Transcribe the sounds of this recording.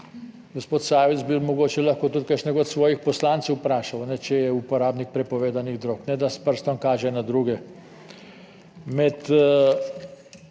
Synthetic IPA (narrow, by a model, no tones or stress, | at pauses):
ɡospoːt̪saːʋizbimoɡoːt͡ʃɛlaxkoːt̪ut̪̚kaʃnɛɡot̪sʋɔːjixpɔslaːnsɛwpɾaːʃawnɛt͡ʃɛjɛupɔɾaːbnik̚pɾɛpɔʋeːd̪aniɣd̪ɾoːknɛd̪aspəɾst̪ɔmkaːʒɛnad̪ɾuːɡɛ | mɛt̪